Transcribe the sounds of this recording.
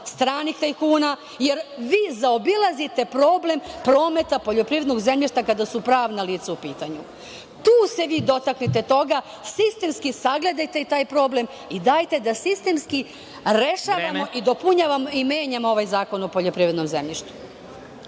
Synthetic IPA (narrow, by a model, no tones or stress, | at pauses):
st̪ɾaːnikt̪aikuːna | je̞ɾʋiːzaobilˠazit̪e̞pɾo̞ːble̞mpɾo̞ːme̞t̪apo̞ʎo̞pɾiːʋed̪no̞ɡze̞mʎiʃt̪akad̪asupɾaːʋnaliːt̪saupiːt̪aɲu | t̪uːse̞ʋiːd̪o̞t̪aknit̪e̞t̪o̞ɡa | sist̪e̞mskisaɡle̞d̪ajt̪e̞it̪aːjpɾo̞ːble̞m | id̪aːjt̪e̞d̪asist̪e̞mski | ɾe̞ʃaːʋammo̞ʔid̪o̞puɲaːʋamoimeːɲamoo̞ʋajzaːko̞no̞po̞ʎo̞pɾiʋe̞d̪no̞mzḛmʎiʃt̪u̥